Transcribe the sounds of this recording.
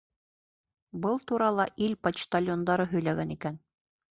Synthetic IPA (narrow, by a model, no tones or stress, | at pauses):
bɤlˠt̪uɾɑlˠɑʔilpɐt͡ɕt̪alʲjond̪ɑɾɤɦɵ̆jlæɡænikæn